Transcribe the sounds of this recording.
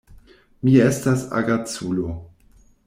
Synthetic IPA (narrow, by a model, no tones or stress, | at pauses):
miestasa̰ɡat͡sulo